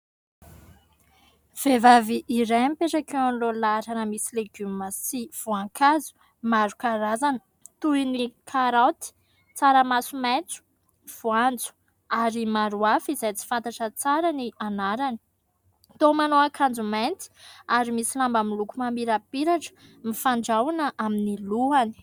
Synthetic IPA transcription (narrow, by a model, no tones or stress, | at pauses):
v̥evaviʔːɾajmpeʈ͡ʂakeanlolaɾanəmisileɡymimasiv̥uaŋkʰazu̥ | maɾukaɾazanə | t̪uinikʰaɾawt̪i̥ | t͡saɾəmasumet͡su̥ | v̥uand͡zu̥ | aɾimaɾuafizajt͡si̥fant̪aʈ͡ʂət͡saɾanianaɾani̥ | t̪omanoakʰand͡zument̪i̥aɾimisilambamilukumamiɾapiɾaʈ͡ʂə̥mifaɳɖ͡ʐawanəʔaminiluani̥